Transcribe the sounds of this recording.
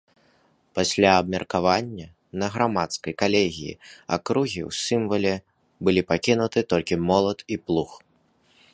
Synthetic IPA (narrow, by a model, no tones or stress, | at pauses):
pasʲlʲaːb̚mʲɐrkavanʲːɐ | nɐɣɾamat̪skɐjkalʲeɣʲḭjḭa̰kɾuɣʲiwsʲɨmvɐlʲɛ | bɨlʲipakʲinut̪ɨt̪ɔlʲkʲimɔlˠɐt̪iplˠux